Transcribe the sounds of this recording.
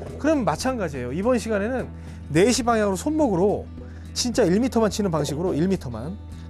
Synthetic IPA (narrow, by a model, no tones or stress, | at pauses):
kɯɾʌmːat͡ɕʰanɡad͡ʑie̞joibʌnɕʰiɡane̞nɯnː | e̞ɕʰipaŋjaŋɯɾosʰonmoɡɯɾo | t͡ɕint͡ɕ͈aiɭmitʰʌmant͡ɕʰinɯnpaŋɕʰiɡɯɾoiɭmitʰʌma̰n